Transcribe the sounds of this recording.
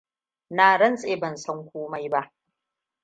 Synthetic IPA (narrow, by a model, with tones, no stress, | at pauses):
naː˨ɽɐ˦nsʼeː˦˨bɐ˨nsɐ˦ŋkʷoː˦ma˦jba˦ʔ